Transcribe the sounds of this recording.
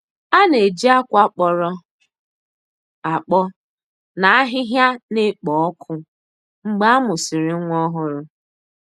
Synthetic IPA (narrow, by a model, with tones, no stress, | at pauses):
a˦ne˨d͡ʒi˦a˦kʷa˦k͡pɔ˨ɾɔ˦ | a˨k͡pɔ˦ | na˨a˦ɦɪ˦ɦja˦nɪ˦k͡pɔ˨ɔ˦kʰʊ˦ | ŋ͡m̩˦ɡ͡ba˦a˦mʊ˨si˨ɾɪ˨˦ŋʷ˦ɔ˦ɦʊ˦ɾʊ˦